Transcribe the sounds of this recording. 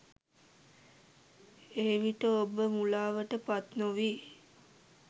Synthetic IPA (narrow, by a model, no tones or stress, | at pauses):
eːʋiʈəobəmulaːʋəʈəpat̪noʋiː